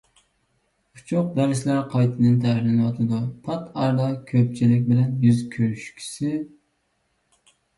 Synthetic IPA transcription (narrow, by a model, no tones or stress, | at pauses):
ut͡ʃʰʊq̚b̪æɾsɪlæɾqʰɑjt̪ʰɨd̪ɨnt̪ʰæɦɪɾlɪnɨwɑt̪ʰɨd̪upʰɑt̪ɑɾd̪ɑkʲʰøp̚t͡ʃʰilɪk̬̚ʲbɪlɛnjyzkʲʰøɾyʃkʲʰi̥sɪ